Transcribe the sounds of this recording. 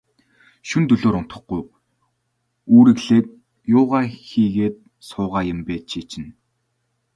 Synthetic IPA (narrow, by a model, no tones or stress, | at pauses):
ʃunt̪ɵɮoːɾʊn̥t̪ə̆χɡuj | uːɾɘ̆ɣɮeːt̪̚ | jʊːʁaːxiːɣeːt̪̚ | sʊːʁaːjɪ̆mpeːt̪t͡ɕʰiːt͡ɕɪ̆n